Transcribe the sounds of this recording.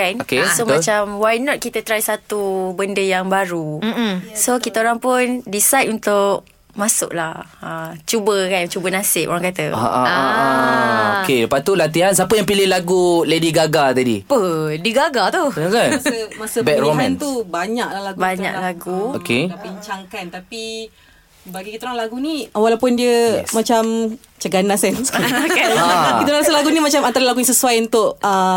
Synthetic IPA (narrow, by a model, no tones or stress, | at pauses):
kanokesomãt͡ʃamwajnɔt̪̚kit̪ət̪ɾajsat̪ubəndəjaŋbaɾusokit̪aoɾaŋpʊndisajt̪unt̪ʊʔ̚ | masʊ̰ʔlahat͡ʃubəkat͡ʃubənasɪʔ̚o̰ɾaŋkat̪əaʔa̰a | kedəpat̪ulat̪iɦans̬apəjaŋpilɪhlaɡulediɡaɡat̪adipədiɡaɡat̪uəkanasəmasəbɛkɾɔmant̪ubaɲaʔlahlaɡubaɲa̰ʔlaɡuokeapiɲt͡ʃaŋkant̪api | baɡikit̪uɾaŋlaɡuniwalapʊndiəmat͡ʃam | t͡ʃəɡanasɛnskaiɾaŋasəlaɡunimat͡ʃamant̪aɾəlaɡunĩsəsuajunt̪ʊʔə